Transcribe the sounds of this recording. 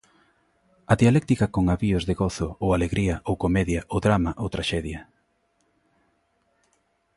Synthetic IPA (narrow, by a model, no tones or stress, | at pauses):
ɐðialɛkt̪ikɐkoŋaβiʊzðeɣoθʊowaleɣɾiɐʔowkomɛðjaʔoðɾamaʔowt̪ɾaʃɛðjɐ